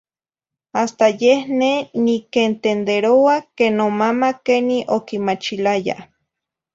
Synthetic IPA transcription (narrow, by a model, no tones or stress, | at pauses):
ast̪ajehnenikent̪end̪eɾowakenomamakeniʔokimat͡ʃilaja̰